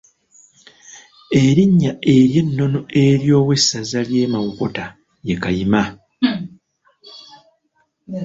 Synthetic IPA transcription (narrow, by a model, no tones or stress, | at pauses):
e̞ɾiɲːae̞ɾje̞nːo̞noe̞ɾjo̞ːwe̞sːazalje̞ːmawuko̞ta | jekajima